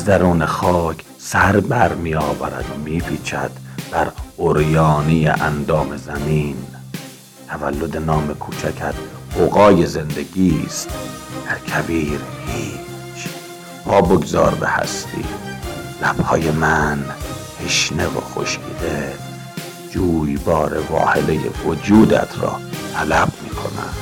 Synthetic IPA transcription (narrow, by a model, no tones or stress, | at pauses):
æzd̪æɾuːnexɒːkʰ | sæɾbæɾmijɒːvæ̰ɾæ̰d̪omiːpʰiːt͡ʃʰæ̰d̪̥b̥æɾoɾjɒːnijḛʔænd̪ɒːme̞zæmiːn | t̪ʰævælːod̪enɒːmekʰuːt͡ʃʰækʰæd̪oɣɒːjeze̞nd̪eɡiːst̪ | d̪̥æɾkʰæbiːɾhiː | t͡ʃʰ | pʰɒːboɡzɒ̰ːɾbḛhæ̰st̪ʰḭːlæb̥hɒːjemænheʃnevo̰xo̰ʃkʰḭd̪e | d͡ʒuːjbɒːɾevɒ̰ːhelejḛvod͡ʒuːd̪æ̰t̪ʰɾɒ̰ːt̪ʰælæbmiːkʰo̞̰næ̰̥